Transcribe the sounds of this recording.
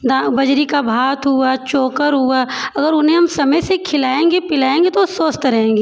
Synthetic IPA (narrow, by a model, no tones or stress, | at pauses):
d̪abɐd͡ʒɾikabʱaːt̪ʰɦuat͡ʃoːkəɾɦuaɐɡəɾʊnɦẽɦɐmsɐməjsekʰɪlaːẽːŋɡepɪlaːẽːŋɡet̪osoːst̪ɾɐɦẽːŋɡeː